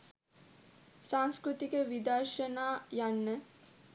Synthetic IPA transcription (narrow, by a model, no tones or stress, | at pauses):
saŋskɾut̪ikəʋid̪arʃənaːjanːə